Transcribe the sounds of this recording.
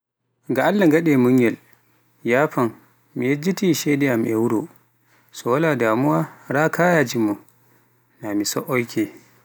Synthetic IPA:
ŋɡaʔalːaɡaɗɛmuŋjɛl | jaːɸan | mijɛd͡ʒːitiʃɛdɛjamʔɛwuɾo | sɔwaladaːmuwaɾaːkʰajad͡ʒimːɔ | namisɔʔɔjkʰɛ

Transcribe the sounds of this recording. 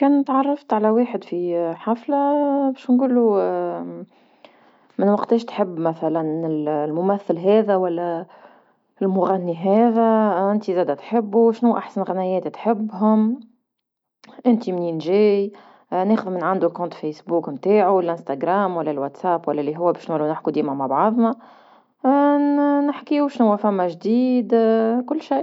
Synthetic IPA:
kɛːnt̪ʕɑrˤːɑft̪ʕalæweːħəd̪fiħaflabɛːʃnɡuːlːu | mɪnwɑqt̪ɛːʃt̪ħəbːmæθælænɪllmʊmæθːɪlɦɛːðæwælːæ | ɪlmʊɣænːiɦɛːðæʔɪnt̪izæːd̪æt̪ħɪbːuʃnuʔaħsanɣanɛjɛːt̪it̪ħɪbːɦʊm | ʔɪnt̪imniːnʒɛːj | neːxʊðmɪnʕand̪ulkɔ̃ːnt̪fejsbuːkmt̪aːʕulʔɪ̃nst̪aɡɾaːmwælːælwat̪sæːpwælːælːiɦʊwːæbɛːʃnulunɪħkud̪iːmamabʕɑðˤna | nɪħkiwʃnʊwːæfæmːæʒd̪iːd̪kʊlːʃaj

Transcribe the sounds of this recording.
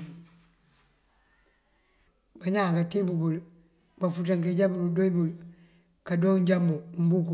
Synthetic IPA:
baɲaːŋkatibubul | bafutaŋkeɟabuɾudoibul | kadoːŋɲɟambum̩buku

